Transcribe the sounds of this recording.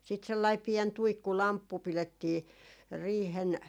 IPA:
siːt selːɑi piɛn tuikːulɑmpːu piletːiː riːhen

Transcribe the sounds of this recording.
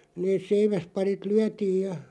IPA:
neːs̆ seiʋæspɑrit lyætiːj jɑ

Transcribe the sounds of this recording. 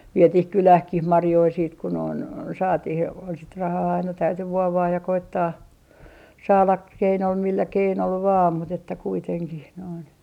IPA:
ʋietih kylæhkih mɑrjoi siːt ku noin sɑːtih jɑ sit rɑhɑː ɑinɑ tæyty ʋuoʋɑːj jɑ koitːɑː sɑːlɑ k milːæ keinol ʋɑːm mut etːæ kuiteŋkih noin

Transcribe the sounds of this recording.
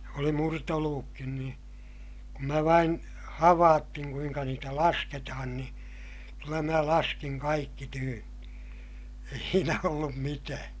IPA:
oli murtoluʋukːin ni kum mæ ʋɑin hɑʋɑːtːiŋ kuiŋkɑ niːtæ lɑsketɑhɑn ni kylːæ mæ lɑskiŋ kɑikːi tyːnːi̥ ei siːnæ olːum mitæː

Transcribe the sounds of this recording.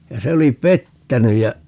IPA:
jɑ se oli petːæny jɑ

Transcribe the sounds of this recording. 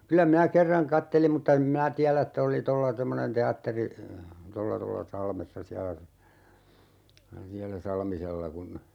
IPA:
kylæ minæ kerːɑŋ kɑtːelim mutːɑ em minæ tiælæ etː oli tolːɑ temːonen teɑtːeri tolːɑ tolːɑ sɑlmesːɑ siælæ siælæ sɑlmiselːɑ kun

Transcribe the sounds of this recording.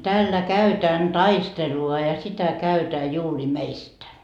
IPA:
tæːlːæ kæytæːn tɑisteluɑ jɑ jɑ sitæ kæytæː juːri meistæ

